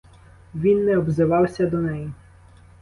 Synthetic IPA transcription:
ʋʲinːɛɔbzɪʋɑwsʲɐd̪ɔnɛji

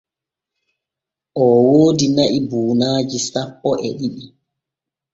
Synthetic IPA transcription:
ʔɔwoːdinaʔibuːnaːd͡ʒisapːɔʔɛɗiɗi

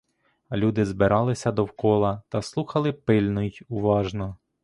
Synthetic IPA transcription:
lʲud̪ɪzbɪɾʔɑlˠɪsʲɐd̪ɔwkɔlˠɐt̪ɐslˠuxɐlˠɪpɪlʲnʊjuʋɑʒnɔ

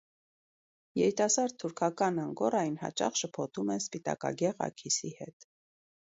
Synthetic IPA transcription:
jɛɾit̪ɑsɑɾd̪̚ʰuɾkʰɑkɑnɑŋɡɔrɑjnhɑ̰t͡ʃɑ̰χʃəpʰɔt̪ʰumɛnspit̪ɑ̰kɑ̰ɡɛʁɑ̰kʰisihɛt̪

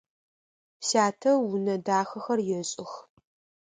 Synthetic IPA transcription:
saːtʰɐwʊnɐdaːxɐxɐrjɛɕʼɪx

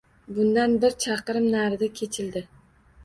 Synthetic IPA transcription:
bʊnd̪anbɪɾt͡ʃʰɑqɾɪmnaɾd̪akʲʰe̞t͡ʃʰɪld̪ɪ

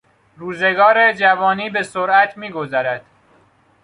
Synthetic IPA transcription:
ɾuːze̞ɡɒːɾed͡ʒævɒːniːbe̞soɾʔæt̪ʰmiːɡozæɾæd̪̥

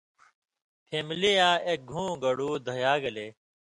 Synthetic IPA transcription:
pʰeːmlijaːeːk̚ɡʱũːɡəɽuːd̪ʱəjaːɡəleː

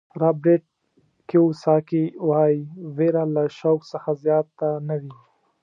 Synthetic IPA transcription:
ɾɑbɾeʈ̚ | keusɑkiwɑjveɾalaʃawksəxazjɑt̪ːanawi

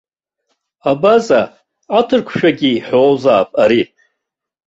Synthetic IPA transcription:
abazaː | tʰɨrkʷʰʃᶣaɡʲiħoːzaːpʼaɾi

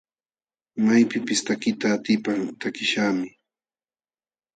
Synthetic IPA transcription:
majpɪpɪst̪akɪt̪aːt̪ɪpaŋt̪akɪʃaːmɪ

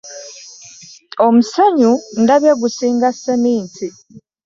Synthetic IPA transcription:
omusaɲundaβjeɡusiːŋɡasːeniːnti

